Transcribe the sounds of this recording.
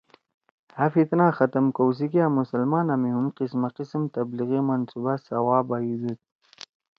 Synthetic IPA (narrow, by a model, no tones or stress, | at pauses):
hafit̪naːxat̪əmkows̬ikiamʊsalmɑːnamiɦumqismaqismt̪abliɣimansubasawɑːbaizut̪̚